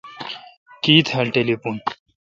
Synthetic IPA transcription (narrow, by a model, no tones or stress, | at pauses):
kiːt̪ʰɐlʈelepun